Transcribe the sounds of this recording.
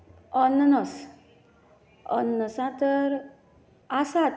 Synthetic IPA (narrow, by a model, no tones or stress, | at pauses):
ɔnːnɔs | ɔ̰nːəsãt̪əɾ | asat̪